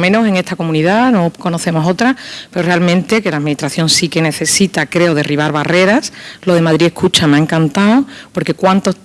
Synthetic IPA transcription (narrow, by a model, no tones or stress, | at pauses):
mẽ̞no̞se̞ŋe̞st̪ako̞mũniðano̞ko̞noθe̞mo̞so̞t̪ɾape̞ɾo̞realmẽ̞nt̪e̞kelamĩnit̪ɾaθjo̞ŋsike̞ne̞θe̞sit̪akɾe̞oðe̞riβ̞aɾβare̞ɾaslo̞ð̞e̞maðɾie̞hkʰut͡ʃameaeŋkant̪aopo̞ɾke̞kwant̪o̞